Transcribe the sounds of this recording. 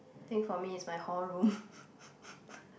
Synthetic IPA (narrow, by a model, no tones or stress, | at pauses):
aθɪ̃ŋkfɔmiɪtsmaɪholɹũm